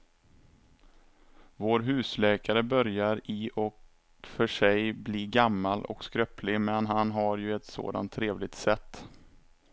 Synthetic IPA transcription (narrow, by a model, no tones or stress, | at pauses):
voːɾɦʉ̟ːslɛːkaɾəbœɾjaɾɪʔɔk | fœʂɛjbliːɡamːalʔɔ̰kskɾœplɪmɛnɦanɦaɾjɵɛt̪so̰ːd̪a̰nt̪ʰːɾeːvlɪɡ̚t̪sɛt̪ː